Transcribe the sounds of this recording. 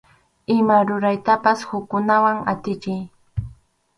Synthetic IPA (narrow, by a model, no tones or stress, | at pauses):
ɪmaɾʊɾajt̪apashʊkːʊnawaŋat̪ɪt͡ʃɪj